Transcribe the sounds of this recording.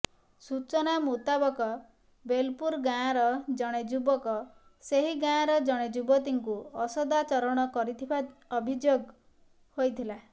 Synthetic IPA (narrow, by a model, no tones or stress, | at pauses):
sut͡ʃɔnamut̪abɔkɔ | belpuɾɡaɾɔd͡ʒɔɽ̃ed͡ʒubɔkɔ | seɦiɡãɾɔd͡ʒɔɽ̃ed͡ʒubɔt̪̬iŋkuɔsɔd̪at͡ʃɔɾɔɽ̃ɔkɔɾit̪ʰibaɔbʱid͡ʒoɡ | hojt̪ʰila